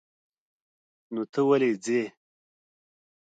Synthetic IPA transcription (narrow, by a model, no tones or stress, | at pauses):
not̪ʰəwaled͡ze